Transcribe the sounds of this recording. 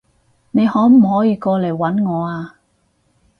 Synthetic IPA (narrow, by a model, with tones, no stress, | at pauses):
ne˨˧jhɔː˨˥m̩˨˩hɔː˨˥jiː˧kɔː˧le˨˩jwɐ˨˥nŋɔː˨˧aː˧